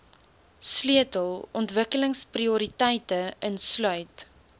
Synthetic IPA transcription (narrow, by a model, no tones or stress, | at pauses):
sliətəlˠɔntvəkələŋspriuɾitɛjtəənslœɥt